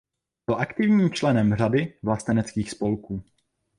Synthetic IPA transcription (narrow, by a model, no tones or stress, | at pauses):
bɪlʔakt̪ɪvɲiːmt͡ʃlɛnɛmr̝adɪvlast̪ɛnɛt͡skiːxspo̞lkuː